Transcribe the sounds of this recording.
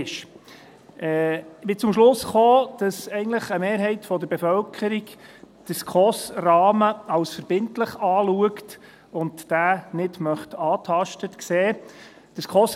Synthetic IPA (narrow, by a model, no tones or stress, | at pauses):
ʃ | ʔɛːbɪt͡sʊmʃlʊsχoːd̥ɑsɛɪɡən̩tləχəmeːɾɦɛɪtfɔd̪əɾbefœlkʰəɾik | d̥əskχɔsrɑːməɑwsfəɾb̥ɪntləχɑːluəkt | ʊntːæːnɪdmœχtɑːtʰɑʃtətkseː | d̥əskʰɔs